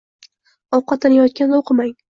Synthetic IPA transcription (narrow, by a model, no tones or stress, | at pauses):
ɒwqɑt̪ːalajɒt̪̚kʲanoqʰɨmaŋ